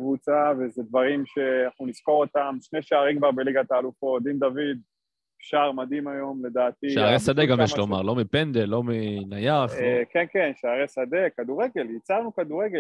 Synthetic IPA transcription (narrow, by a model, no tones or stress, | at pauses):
kvut͡savezed̪vaʁimʃe̞naχnunisko̞ʁo̞t̪amʃneʃaaʁimkvaʁbeliɡat̪aːlufo̞t̚d̪ind̪avid̪ | ʃaʁmad̪imajo̞mle̞d̪aːt̪iʃeaʁesad̪eɡamjɛʃlomaʁlo̞mipend̪elo̞minajaχkenkenʃeaʁesad̪e̞kad̪uʁe̞ɡe̞ljit͡saʁnukad̪uʁeɡe